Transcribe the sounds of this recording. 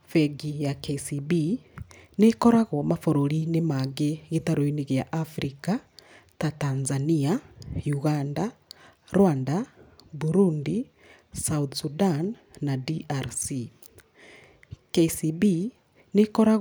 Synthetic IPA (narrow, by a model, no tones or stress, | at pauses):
fɛɡijakesibi | nekɔɾaɣwɔmafoɾoɾinemaɡeɣetaɾoineɣeaʔafɾika | tatanzaniajuɣandaɾwandabuɾundi | saut̪sudanː | adiʔaɾsi | kesibi | nekɔɾaɣ